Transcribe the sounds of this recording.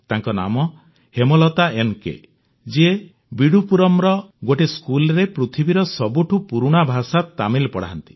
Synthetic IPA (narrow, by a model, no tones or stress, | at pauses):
t̪aŋkɔna̰mɔ | hemɔlɔt̪aenkḛ | d͡ʒe | biɽupuɾɔmɾɔɡoʈeskulɾepɾut̪ʰibiɾɔsɔbuʈʰupuɾuɽ̃abʱasat̪amilpɔɽ̤a̰ɦɔnt̪i̥